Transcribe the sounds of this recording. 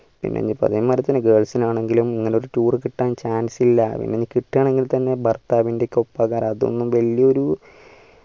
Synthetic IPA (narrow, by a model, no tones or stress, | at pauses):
pḭnːḛɲːipoɐ̰ɐðɐmɐɾɐt̪ːɐnːeɡeːɭsinaːɳe̞ŋɡilumiŋːɐneoɾuʈuːrɨkiʈːaːnt͡ɕaːnsilːɐpḭnːenikʲːiʈːaːɳe̞ŋɡilt̪ɐnːe̞bʱɐrt̪aːʋinde̞kʲːo̞pːaɣaːɾɐðo̞̰nːumʋɐɭːijɐo̞ɾu